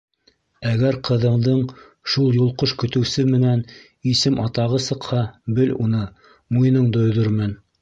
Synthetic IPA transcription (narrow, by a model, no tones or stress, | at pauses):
æɡæɾqɤ̆ðɤ̆ɴd̪ɤɴ | ʃulˠjulˠqoʃkɵ̆t̪ɘ̆wsɘmɘ̆næn | isɘmɑt̪ɑʁɤsɤ̆qhɑbɘlṵnɤ | mujnɤɴd̪ŏjðoɾmɘn